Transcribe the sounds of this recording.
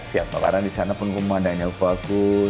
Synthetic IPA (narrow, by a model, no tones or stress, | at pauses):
sia̰pa̰ba̰ɾaŋdisanapʊnkumadaɲaupaku